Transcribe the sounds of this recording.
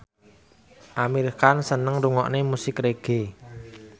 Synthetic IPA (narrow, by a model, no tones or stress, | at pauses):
ʔamirkansənəŋɾuŋɔʔnemusɪkreɡ̥e̤